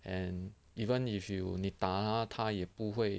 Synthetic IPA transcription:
ɛ̃n | ifənifjunit̪alat̪ʰajɛpuxweɪ

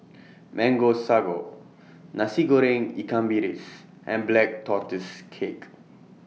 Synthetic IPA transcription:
mʔɛ̃ŋɡosaɡo | nasiɡoɾẽŋikãmbiɾis | ʔɛ̰̃nblɛk̚tʰɔtəskʰek

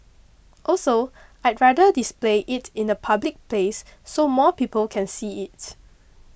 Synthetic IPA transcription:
ʔɔlsoʔaɪt̚ɹadədispleʔɪtʰɪ̃nəpʰablik̚plesːomɔpipəlkʰɛ̃nsiɪt

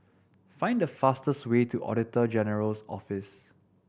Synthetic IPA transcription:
fãɪ̃ndəfastəstwetʰuʔɔ̰ɾɪtəd͡ʒɛnəɹəlsɔ̰fɪs

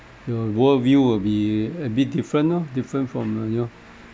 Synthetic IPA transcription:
jɔwɔvjuwɪbiɛbit̚difɹə̃ntɔdifɹə̃nfɹɔ̃mno

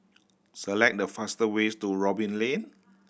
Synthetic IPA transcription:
səlɛk̚dəfastəwestuɹɔbĩnlẽn

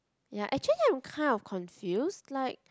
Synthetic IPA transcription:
jaʔɛk̚t͡ʃəliãɪ̃mkʰãɪ̃ndɔfkʰɔ̃nfjustlaɪk̚

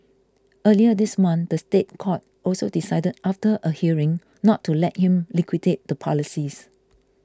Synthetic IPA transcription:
ʔəliədismãndəstet̚kʰɔt̚ʔɔlsodisaɪdədʔaftəʔəhiəɹɪ̃ŋ | nɔtʰːulɛt̚hĩmlikʰwidet̚d̥əpʰɔlisis

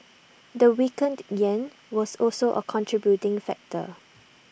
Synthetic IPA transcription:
dəwikə̃ndjɛ̃n | wɔsɔlsoʔə̰kʰɔ̃ntʰɹibjutɪ̃ŋfɛ̰k̚tə̰

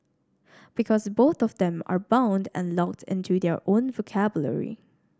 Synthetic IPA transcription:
b̥ikʰɔsboθɔvdɛ̃ma̰ɹbãʊ̃ndɛ̰̃nlɔk̚tʰɪ̃ntʰudɛɹʔõnvokʰæbjlə̰ɹḭ

